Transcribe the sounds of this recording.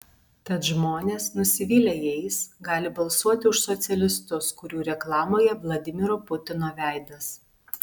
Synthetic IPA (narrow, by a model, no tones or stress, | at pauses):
t̪ɐt̪ʒmoːnʲeːsnʊsʲɪʋʲiːlʲejɛɪsɡɑːlʲɪbɐlˠsuɔt̪ʲɪʊʃsɔt̪sʲɛlʲɪst̪ʊskʊɾʲuːɾʲɛklˠɑːmoːjɛʋlˠɐd̪ʲɪmʲɪɾoːpʊt̪ʲɪnoːʋʲæˑɪd̪ɐs